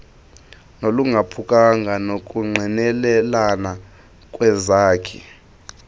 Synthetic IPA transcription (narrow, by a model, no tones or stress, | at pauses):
noluŋɡʱapʰukʼaŋɡʱanok̬ʼuŋ͡ǃʱinɛlɛlana | kʼwɛzaːkʰḭ